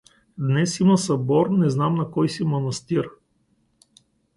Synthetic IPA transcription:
d̪nɛsimɐsɐbɔɾnɛznamnɐkɔjsimonɐst̪iɾ

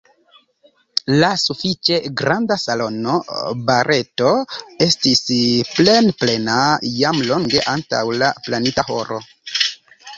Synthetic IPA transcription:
lasufit͡ʃe̞ɡɾandasalo̞nobaɾe̞to̞e̞stisple̞nple̞najamlo̞ŋɡe̞ʔanta̰wlaplanitaho̞̰ɾo̞̰

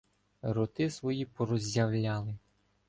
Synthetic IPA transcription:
ɾɔt̪ɪsʋɔjipɔɾɔzʲjɐwlʲɑlˠɪ

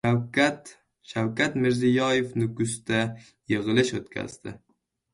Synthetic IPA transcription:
at̪ | ʃawkʲʰat̪mɪɾzɪjɒjefnʊɡʊst̪a | jɨʁɨlɪʃot̪kʲʰa̰zd̪ɪ

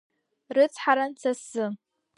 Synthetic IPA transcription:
rɨt͡sʰħaɾant͡sʰasɨ

